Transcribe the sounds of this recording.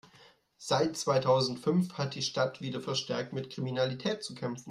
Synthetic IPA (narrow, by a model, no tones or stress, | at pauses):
z̥aɪt̚t͡sv̥aɪtʰaʊzn̩tfʏnfhat̚d̥iːʃtatv̥iːdɐfɛɐʃtɛɐk̚tmɪtkʁ̥iminalitʰɛːt̚t͡sukʰɛmfn̩